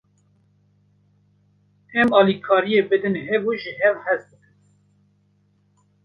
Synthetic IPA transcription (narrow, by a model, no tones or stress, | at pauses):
ɛmɑːlikʰɑːɾijeːbɨd̪ɨnɦɛbuʒɨɦɛvhɛs̚b̪ɨkɨn